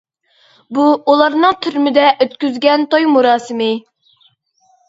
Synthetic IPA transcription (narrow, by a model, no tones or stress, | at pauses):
buulˠɑɾnɨŋt̪ʰyɾmɪd̪ɛʔøt̪kʲyzɡʲɛnt̪ojmuɾɑːsɨmɪ